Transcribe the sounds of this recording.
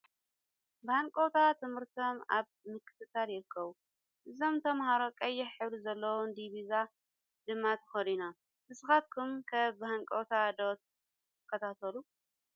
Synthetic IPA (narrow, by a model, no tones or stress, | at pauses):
bɨhaŋkʼowt̪ʰat̪ʰɨmhɨɾt̪ʰo̞ma̰βmɨkʰːɨ̥t̪ʰɨt̪ːaljɪɾɨkʰːɐβu | ʔɨzo̞mt̪ʰɐmhaɾo̞kʼɐjːɛħħɨβɾizɐlːɐwund̪iβiza | d̪ɨmːat̪ʰɐ̥xɐd̪ina | tɨsɨxat̪̚kʰumkʰɐbɨhaŋkʼowt̪ʰad̪ot̪̚ | tʰɨkʰːɐt̪ʰat̪ʰɐlu